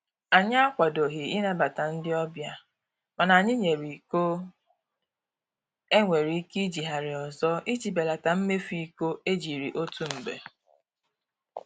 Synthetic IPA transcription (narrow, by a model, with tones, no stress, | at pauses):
a˨ɲɪ˦a˦kʷa˨do˨ɦi˨i˦na˦ba˨ta˨n̩˦dɪ˦ɔ˦bja˦ | ma˨na˨ɲɪ˦ɲe˨ɾi˨ko˦ | e˦ŋʷe˨ɾi˨˦ki˦d͡ʒi˨ɦa˨ɾɪ˨ɔ˨zɔ˦i˦d͡ʒi˨be˨la˨ta˨m̩˦me˦fi˨i˦ko˦e˦d͡ʒi˨ɾi˨ʔo˦tu˦m̩˨bḛ˨